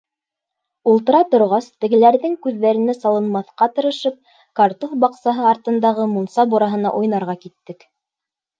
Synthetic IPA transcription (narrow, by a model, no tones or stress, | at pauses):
ulˠt̪ɤ̆ɾɑt̪ŏɾʁɑst̪ɘ̆ɡɘ̆læɾðɘŋkʉðːæɾɘ̆næsɑlˠɤ̆nmɑθqɑt̪ɤ̆ɾɤ̆ʃɤp̚ | kaɑɾt̪uθbɑqsɑɦɤɑɾt̪ɤ̆nd̪ɑʁɤmunsɑbuɾɑɦɤ̆nɑ̰ʔujnɑɾʁɑkit̪ːɘk